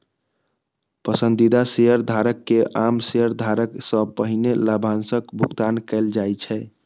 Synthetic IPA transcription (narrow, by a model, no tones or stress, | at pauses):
pəsənd̪id̪aseɦəɾd̪ʱaɾəkːeʔamseɦəɾd̪ʱaɾəksəpəɦinelabʱansəkbʱuɡt̪ankɛɪld͡ʒajt͡ʃʰɛ